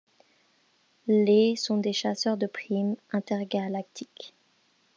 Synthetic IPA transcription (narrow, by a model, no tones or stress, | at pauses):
lesɔ̃d̪eʃasœʁd̪əpχimɛ̃t̪ɛʁɡalak̚t̪ʰik